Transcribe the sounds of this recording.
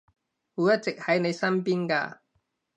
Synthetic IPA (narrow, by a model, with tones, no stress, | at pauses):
huː˨˥wjɐ˥t̚t͡sɪ˨k̚hɐ˨˥jne˨˧jsɐ˥npiː˥nka̰ː˧